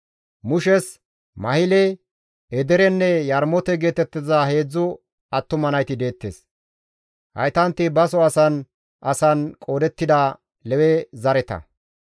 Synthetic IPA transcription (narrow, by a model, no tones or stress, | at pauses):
mʊʃɛs | mɐhɪlɛ | ɛd̪ɛɾɛnːɛjɐɾmɔt̪ɛɡe̞ːt̪ɛt̪ːɪzɐhe̞ːd͡zːʊ | ɐt̪ːʊmɐnɐjt̪ɪd̪e̞ːt̪ːḛːs | hɐ̰jt̪ɐnt̪ːɪbɐsɔɐsɐn | ʔɐsɐnkʼo̞ːd̪ɛt̪ːɪd̪ɐ | lɛwɛzɐɾɛt̪ɐ̰